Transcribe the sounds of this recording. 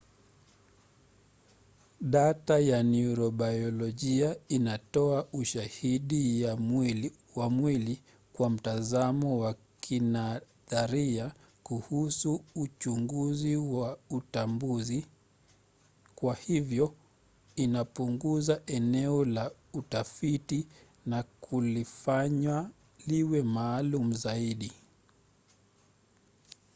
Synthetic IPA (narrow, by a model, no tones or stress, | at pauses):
ɗatajanuɾɔɓajɔlɔʄiainatɔaʔuʃahiɗija | wamwili | kwam̩tazamɔwa | kʰina | ðaɾia | kuhusuːt͡ʃuŋɡuziwautambuzi | kwahivjɔ | inapuŋɡuzaʔɛnɛɔlautafiti | nakʰulifaɲwa | liwɛmaːlumuzaiɗi